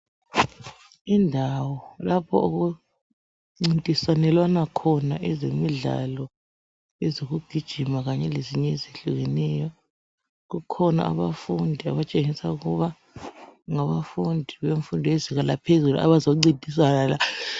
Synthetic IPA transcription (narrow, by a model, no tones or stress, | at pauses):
indʱawɔlapʰɔ̰oɣu | ŋ͡ǀintʼiswanɛlwanakʰɔnaʔɛzemiɮa̰lɔ | ɛzoɣuɡ̥ʱid̥ʒ̥ʱimaɣaɲɛleziɲɛzeɬuɣɛnɛjɔ | ɣukʰɔna̰ʔa̰βafundʱiaβat͡ʃʼeŋisauɣuβa | ŋaβafundʱiβeɱfundʱiweziɣalapʰezulua̰βazoŋ͡ǀintʼis̬anala